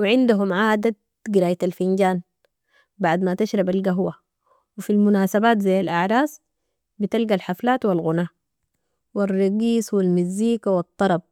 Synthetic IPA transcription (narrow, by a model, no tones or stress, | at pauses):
wiʕɪnd̪aɦumʕaːd̪at̪̚ | ɡiɾaːjat̪alfind͡ʒaːn | baʕd̪mat̪aʃɾˤɑbalɡaɦwa | wifilmunaːsabaːt̪zajːalʔaʕɾˤɑːs | bit̪alɡalħaflaːt̪wilɣunaː | wirˤːɑɡiːswilmizːiːkawɪt̪ˤːɑɾˤɑb̚